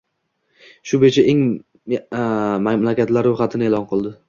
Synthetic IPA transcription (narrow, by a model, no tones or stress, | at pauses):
ʃʊbet͡ʃʰaʔeŋ | malakʲat̪laɾːojχɑt̪ʰɪnɪelɒnqɨlˠd̪ɪ